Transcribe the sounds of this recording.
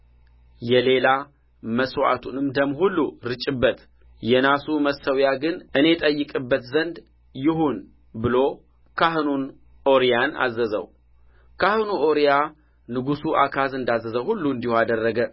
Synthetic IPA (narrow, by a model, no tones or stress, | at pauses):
jɛle̞la | məswa̰t̪ʰunɨmd̪əmhulːuɾɨt͡ʃʼɪbːət̪ | jɛnasuməsəwjaɡɨnʔɨne̞t̪ʼəjːɨkʼɨbːət̪zənd̪ | jɪɦun | bɨlo̞ | kʰaɦɨnun | o̞ɾijana̰zːəzə̰w | kʰahɨnuʔo̞ɾija | nɨɡusuʔa̰kʰazɨnd̪azəzəhulːuɨnd̪ihoad̪ərːəɡə